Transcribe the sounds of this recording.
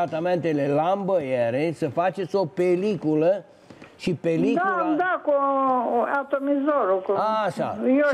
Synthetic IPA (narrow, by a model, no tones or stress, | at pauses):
at̪ament̪elelambəjeɾesəfat͡ʃe̞t̪sʲo̞pelikulə | ʃipelid̪kaud̪aku | at̪omizoɾokaʃa̰jo